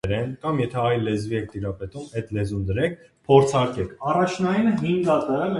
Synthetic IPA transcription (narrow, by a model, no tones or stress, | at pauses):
ɾɛnkɑmjɛt̪ʰɛɑjlːɛzviɛk̚ʰt̪iɾɑpɛt̪umɛt̪lɛzumd̪əɾɛkʰ | pʰɔɾt͡sʰɑɾkɛkʰɑrɑt͡ʃʰnɑjinəɦiŋɡɑt̪əl